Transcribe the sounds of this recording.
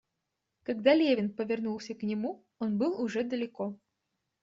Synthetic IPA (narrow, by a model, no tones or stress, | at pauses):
kɐɡd̪alʲevʲɪnpəvʲɪrnulˠsʲəknʲɪmu | onbɨlˠʊʐɛd̪əlʲɪko